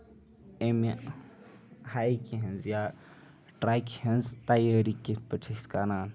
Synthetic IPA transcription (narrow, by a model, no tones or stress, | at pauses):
emi | hajkiɦɐnzja | ʈɾaːkhɐnzt̪ajəɾikipəʈʰiskanaːn